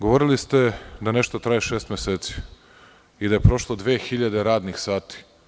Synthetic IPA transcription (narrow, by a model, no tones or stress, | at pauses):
ɡo̞ʋoɾilist̪e̞d̪ane̞ʃt̪ot̪ɾajeʃeːst̪mʲeseːt̪si̥ | id̪aje̞pɾo̞ʃlˠod̪ʋeːxiʎad̪e̞ɾaːd̪nixsaːt̪i̥